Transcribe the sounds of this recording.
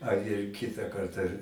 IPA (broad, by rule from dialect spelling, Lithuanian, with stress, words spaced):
ɐr ɪr ˈkʲɪtɐ ˈkɐrtɐ